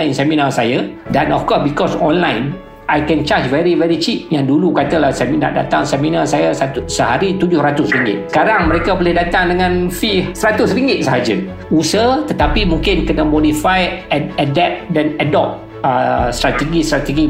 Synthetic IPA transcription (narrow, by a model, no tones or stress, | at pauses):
ansɛmĩnasajadɛ̃nɔ̰fkɔsbikɔsɔ̃nlãjn | ajkɛ̃nt͡ʃat͡ʃvɛɹivɛɾit͡ʃip̚jaŋdulukat̪əlahsɛmina̰da̰t̪aŋsɛmĩnasajassəɦaɾit̪ud͡ʒʊhɾat̪ʊsriŋɡɪ̰t̪̚sə̥kaɾaŋmə̃ɾekabolɪhdat̪aŋdəŋãnfifsəɾat̪ʊsriŋɡɪt̪̚saɦad͡ʒə | usət̪ət̪apimũŋkɪnkənəmɔdifajɛadɛp̚dɛnadɔp̚ | əst̪ɾat̪ɛɡist̪ɾat̪ɛɡi